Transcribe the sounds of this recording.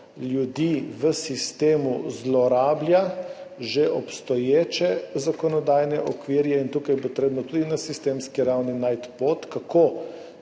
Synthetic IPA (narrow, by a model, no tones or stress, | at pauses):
ljud̪iːʋəsist̪eːmuzlɔɾaːbljaʒɛʔɔpst̪ɔjeːt͡ʃɛzakɔnɔd̪aːjnɛʔɔkʋiɾjɛint̪uːkajpɔt̪ɾeːbnɔt̪ud̪inasist̪eːmskiɾawninajt̪pot̪kakʰo